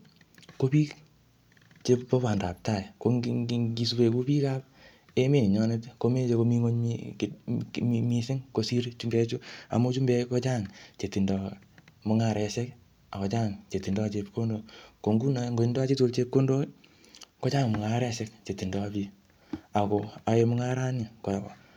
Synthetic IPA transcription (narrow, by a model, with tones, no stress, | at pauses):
ko˦pi˦k | t͡ʃe˦ppo˦pa˨nda̰˨p̚ta˦˨i˨ko˦ŋɡi˦su˦pe˨ku˦pi˦ka˦p | e˦me˦ni˨ɲɔ˦ne˦tko˦me˦t͡ʃe˧ko˧mi˦ŋo˦ɲi | mmi˦sɪ˦ŋko˧si˦ɾt͡ʃu˨˦mbɛ˧t͡ʃu˦a̰˨mu˦t͡ʃu˦mbɛ˧ko˦t͡ʃa˦ŋt͡ʃe˨ti˨ndɔ˨mɔ˨ŋa˨ɾɛ˨sɛ˦k | a˨ko˨t͡ʃa˦ŋt͡ʃe˨ti˨ndɔ˦t͡ʃe˧pko˦ndo˧˨ko˨ŋɡu˦na˧˨ŋɡo˨i˦ndɔ˦t͡ʃe˦to˧lt͡ʃe˦p̚ko˦ndo˦ | ko˦t͡ʃa˦ŋmʊ˨ŋa˨ɾɛ˦sɛ˦kt͡ʃe˨ti˨ndɔ˨pi˧ | a˨ko˨a˨e˧mɔ˦ŋa˦ɾa˦ni˨ko˨jkɔ̰˨